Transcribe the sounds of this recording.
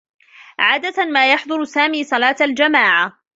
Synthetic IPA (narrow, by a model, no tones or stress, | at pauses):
ʕaːd̪at̪maːjɑħd̪ˤʊɾsaːmiːsˤɑlɑːt̪ald͡ʒamaːʕa